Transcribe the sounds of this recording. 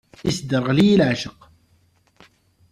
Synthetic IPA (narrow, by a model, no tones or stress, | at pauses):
ʔɪsd̪ɑɾˤɣliːlʕaʃɪq